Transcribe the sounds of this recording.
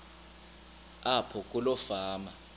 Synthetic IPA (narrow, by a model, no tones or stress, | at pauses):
apʰɔk̬ʼulɔfaːma